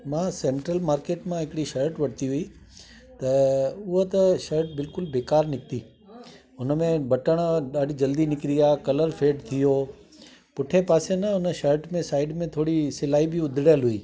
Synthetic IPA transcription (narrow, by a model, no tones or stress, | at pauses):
mãːseːɳʈɾəlmaːɾkeːʈmãɦɪkɪɽiʃɐɾʈʋɐʈt̪iɦʊi | t̪ɐʊɦot̪ɐʃɐɾʈ̚bɪlkʊlbeːkaːɾnɪk̚ʰt̪iː | ʊnə̆mẽbɐʈəɽ̃ɗaːɖid͡ʑɐld̪inɪkɾijaːkɐləɾfʰeːɖt̪ʰijoː | pʊʈʰepaːsenɐʊnə̆ʃɐɾʈmẽsaːɪɖmẽt̪ʰoːɽisɪlaːibɪʊd̪ʱɪɽajəlɦʊiː